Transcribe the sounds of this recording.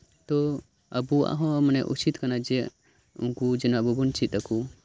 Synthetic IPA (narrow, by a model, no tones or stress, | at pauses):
t̪ɔ | əbua̰ʔɦɔ̃manɛʔṵt͡ʃit̪kanad͡ʒɛ | ṵŋkud͡ʒɛnɔbubunt͡ʃit̪̚əku